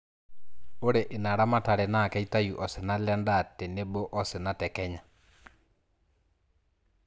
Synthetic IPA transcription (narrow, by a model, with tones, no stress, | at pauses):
o˦ɾe˨ʔe˨na˨ɾa˦ma˦ta˨ɾɛ˨na˦˨kɛ˦i˦ta˦ju˨ʔɔ˨se˨na˦lɛ˦nda˦˨te˨ne˦bo˦ʔɔ˦se˨na˨tɛ˨kɛ˦ɲa˨